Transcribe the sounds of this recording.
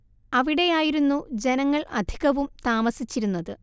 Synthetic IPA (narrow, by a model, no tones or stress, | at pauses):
ɐʋiɽe̞jaːjiɾunːud͡ʑe̞nɐŋːɐɭʔɐd̪ʱiɣɐʋumt̪aːmɐsit͡ɕːiɾunːɐðɨ